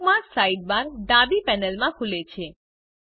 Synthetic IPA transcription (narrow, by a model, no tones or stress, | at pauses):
mãsaiɖ̚baɾɖãbipɛnəlmãkʰulet͡ʃʰe